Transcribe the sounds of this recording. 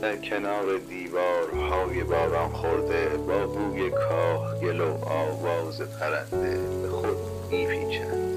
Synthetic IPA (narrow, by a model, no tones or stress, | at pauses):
d̪̥æɾkʰenɒːɾe̞d̪iːvɒːɾhɒːje̞bɒːɾɒːnxoɾd̪e̞bɒːɡuːjekʰɒːhɟelowɒːvɒːzepʰæɾænd̪e̞bexod̪ | miːfʰiːt͡ʃʰænd̪̥